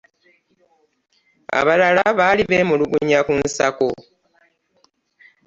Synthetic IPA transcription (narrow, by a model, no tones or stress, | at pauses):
a̰βalalaβaːliβemuluɡuɲakunsako